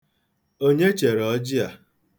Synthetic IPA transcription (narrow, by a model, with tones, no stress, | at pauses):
o˦ɲe˦t͡ʃe˨ɾɔ˦d͡ʒi˦a˨